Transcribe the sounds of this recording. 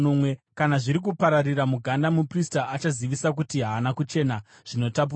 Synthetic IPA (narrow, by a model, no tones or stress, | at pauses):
nomwe̞kanaʐiɾik̬upaɾariɾamuɡʱandamupristaʔat͡ʃaziʋisak̬utiɦaːnakut͡ʃe̞ːna | ʐ̥ino̞tap̬u